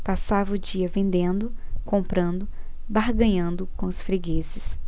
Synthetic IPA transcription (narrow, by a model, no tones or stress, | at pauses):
pasavɐʊd͡ʒiɐvẽnd̪ẽnd̪ʊkõmpɾɐ̃nd̪ʊ | baɾɡɐ̃ɲɐ̃nd̪ʊkõʊsfɾiɡezɪs